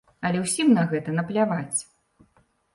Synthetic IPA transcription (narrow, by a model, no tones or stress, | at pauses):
ɐlʲɛwsʲimnɐɣɛt̪ɐnɐplʲavat͡sʲ